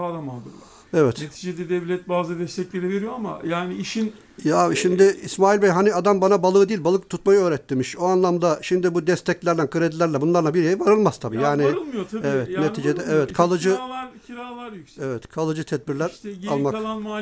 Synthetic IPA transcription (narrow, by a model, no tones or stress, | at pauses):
ad̪amad̪ɯ | evɛt̪net̪ʰid͡ʒed̪ɛd̪ɛvlʲɛt̪̚baːzɯd̪ɛst̪ʰɛclʲeɾive̞ɾijoama̰jaːniiʃin | jaaviʃimd̪ɪismaːilʲbɛjɦaniad̪ambanabalˠɯːd̪iːilʲbalˠɯk̚t̪ʰut̪̚majɯøːɾɛt̪ʰːimiʃoanlˠamd̪aʃimd̪ibud̪ɛst̪ʰɛclʲæɾld̪ænkʰɯɾed̪ilʲæɾlʲɛbunlˠaɾlˠabiɾejivaɾɯlˠmaz̥t̪ʰabiːjaːniɯlˠmjot̪ʰɛvɛt̪net̪ʰid͡ʒed̪ɛɛvɛt̪kʰalˠɯd͡ʒɯɾalˠaɾjɛvɛt̪kʰalˠɯd͡ʒɯt̪ʰɛd̪̚biɾlʲæɾalˠma